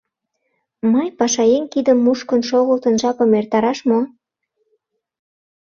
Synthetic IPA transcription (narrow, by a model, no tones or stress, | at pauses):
mɑjpɑʃɑjeŋkid̪əmːuʃkənʃoɣəlt̪ənʒɑpə̆mert̪ɑɾɑʃmo